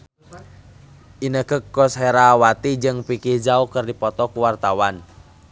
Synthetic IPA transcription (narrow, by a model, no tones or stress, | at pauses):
ʔinəkəkːɔshɛɾawat̪id͡ʒɨŋpikihd͡ʒaukərdipɔt̪ɔkuwart̪awan